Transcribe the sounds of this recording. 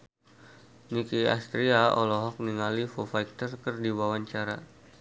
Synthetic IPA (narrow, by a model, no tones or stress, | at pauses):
nikia̰st̪ɾiaɔ̰lɔɦɔk̚niŋalifofajk̚t̪ərkɨrdiwawaɲt͡ʃaɾa̰